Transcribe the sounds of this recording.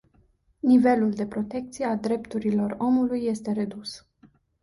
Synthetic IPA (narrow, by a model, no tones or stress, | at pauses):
nive̞luld̪e̞pɾo̞t̪e̞k̚t̪sijeald̪ɾe̞pt̪uɾilo̞ro̞mulujːe̞st̪e̞ɾe̞d̪us